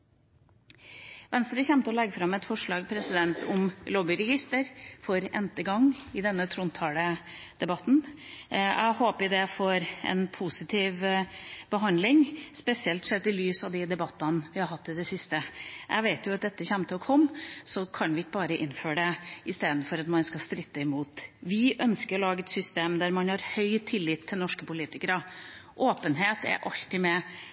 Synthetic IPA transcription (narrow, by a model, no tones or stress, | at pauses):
ʋɛnst̪ɾəçɛmt̪əɔlɛɡːəfɾɑmːɛt̪fɔʂɭɑːɡpʰɾɛsɪd̪ɛnt̪ʊmlɔːbɪɾɛɡɪst̪əɾfɔɾɛ̰nt̪əɡɑŋːɪd̪ɛnːət̪ʰɾʊnt̪ʰɑːləd̪̥ɛbɑt̪ːn | æ̰ɪhoːpəd̪ɛfɔɾʔɛ̰npʰusɪt̪ʰiːʋbəɦɑnd̪lɪŋspɛsɪɛlt̪sɛt̪ːɪlyːsɑʋd̪ɪd̪ɛbɑt̪ːɑnʋɪhɑɾɦɑt̪ːɪd̪ɛsɪst̪əʔæ̰ɡʋeɪt̪jʊɑt̪̚d̪ɛt̪ːəçæmːt̪ʰɪlɔkʰɔmːsɔkʰɑnʋɪɪkːəbɑːɾəʔɪnːføːɖɛɪst̪eːd̪n̩fɔɾɑt̪mɑnskɑst̪ɾɪt̪ːəɪmuːt̪ʋɪʔœnskəɾɔlɑːɡəɛt̪sʏst̪eːmd̪æɾmɑnhɑɾhœʏt̪ʰɪlːɪt̪ʰːɪlnɔʂkəpʊliːt̪ɪkəɾəʔoːpənɦeːt̪æ̰ɾʔɑ̰lt̪ɪmɛ